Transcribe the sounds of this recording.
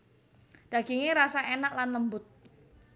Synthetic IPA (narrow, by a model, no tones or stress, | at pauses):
d̥aɡiŋiɾasaʔenak̚lanləmbʊt̪̚